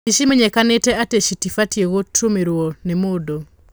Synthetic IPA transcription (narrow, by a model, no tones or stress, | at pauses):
iʃimeɲɛkanetɛateʃitifatjeɣotʰomeɾonemodo